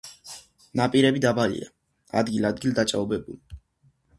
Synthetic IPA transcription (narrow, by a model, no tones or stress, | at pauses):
napʼiɾɛbid̪abalḭa̰ | a̰d̪ɡilad̪ɡild̪at͡ʃʼaɔbɛbuli